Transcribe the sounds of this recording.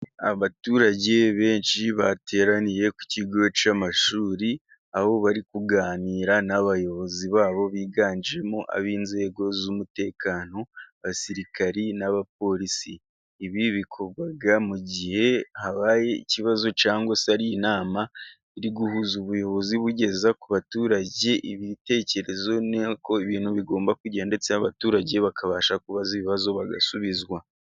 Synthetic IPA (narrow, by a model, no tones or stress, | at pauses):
a̰βatuːɾaɟe̞βe̞ːnʃiβatʰe̞ːɾaniɾe̞ku̥ciɡot͡ʃamaʃuːɾi | aβo̞βaɾikuɡaːniːɾanaβajo̞βo̞ziβaːβo̞βiːɡaːnd͡ʒiɾe̞muʔa̰βiːnze̞ːɡo̞zumute̞ːkaːno̞βasiɾikaɾinaβap̚o̞ɾisiː | βiβikʰoɡaɡamuɟihe̞haβaːje̞ḭciβazo̞t͡ʃaːŋɡwasaɾijinaːma | iɾiɡuhuzuβujo̞βo̞ziβuɟe̞zakuβatuːɾaɟe̞ʔiβite̞ːce̞ɾe̞zo̞neko̞iβiːnhuβiɡo̞ːmbakuɟaande̞t͡seaβatuːɾaɟe̞βakʰaβaʃakuβaziβiβazo̞βaɡa̰suβizwa